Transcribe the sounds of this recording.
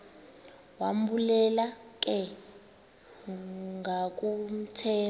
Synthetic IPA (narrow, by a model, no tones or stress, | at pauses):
wam̩bulɛlak̬ʼɛ | ŋak̬ʼum̩tʰɛː